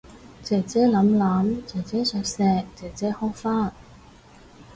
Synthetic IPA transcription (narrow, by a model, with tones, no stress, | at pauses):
t͡sɛː˨˩t͡sɛː˨˥lɐ˨˥mlɐ˨˥mt͡sɛː˨˩t͡sɛː˨˥sœː˧k̚sɛː˧k̚t͡sɛː˨˩t͡sɛː˨˥hɔː˥ŋfaː˥˩n